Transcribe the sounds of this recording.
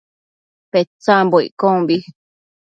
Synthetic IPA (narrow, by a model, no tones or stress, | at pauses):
pet͡sãmboḭʔkõmbi